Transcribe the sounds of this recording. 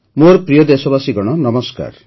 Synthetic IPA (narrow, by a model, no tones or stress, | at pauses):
moɾpɾijɔd̪esɔbasiɡɔɽ̃ɔnɔmɔska̰ɾ